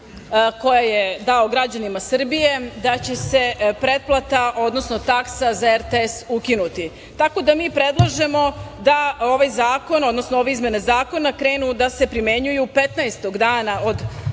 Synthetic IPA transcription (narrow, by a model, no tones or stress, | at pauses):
ko̞jajed̪aoɡɾad͡ʑanimasr̩bije̞d̪at͡ɕe̞se̞pɾe̞t̪̚plˠat̪aʔo̞d̪no̞sno̞t̪aksazaeɾt̪esukinut̪i | t̪ako̞d̪amiːpɾed̪lˠaʒe̞mo̞d̪ao̞ʋajzaːko̞no̞d̪no̞snooʋe̞izmje̞nezaːko̞nakɾeːnud̪ase̞pɾime̞ɲujupe̞t̪najst̪o̞ɡd̪aːnaʔo̞d̪